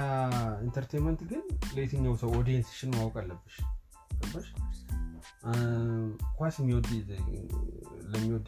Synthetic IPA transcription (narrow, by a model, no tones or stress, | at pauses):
aint̪ʰəɾt̪ʰejmənt̪ɡɨnlet̪ʰɨɲːawsəwɔd̪jɛnsi̥ʃɪnmawkʼalːəbːɨʃ | ləbːəʃ | kʷasmːiwɔd̪ | ləmːiwɔd̪